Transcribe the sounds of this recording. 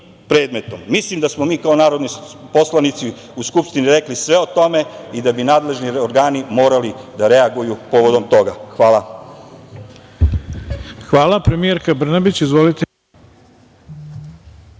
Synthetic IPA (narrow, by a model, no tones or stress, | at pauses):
pɾe̞ːd̪me̞t̪omːislimd̪asmomiːkao̞naːɾo̞d̪nipo̞slˠanit̪si | uskupʃt̪iniɾe̞klisʋe̞o̞t̪o̞me̞id̪abinaːd̪le̞ʒnioɾɡaːnimo̞ːɾalid̪aɾe̞aɡujupo̞ʋo̞d̪o̞mt̪o̞ɡaxʋaːla | xʋaːlˠapɾemijeɾkabr̩nabit͡ɕizʋolit̪e